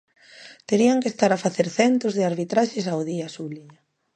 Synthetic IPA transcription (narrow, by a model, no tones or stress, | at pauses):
t̪eɾiaŋkest̪aɾafaθeɾθɛnt̪ozðɪaɾβit̪ɾaʃesawðiasuβliɲa